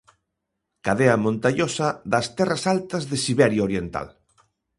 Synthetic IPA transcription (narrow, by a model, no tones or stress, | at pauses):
kaðeɐmõnt̪aɲosaðɐst̪ɛrasalt̪ɐzðesiβɛɾjaoɾjent̪a̰l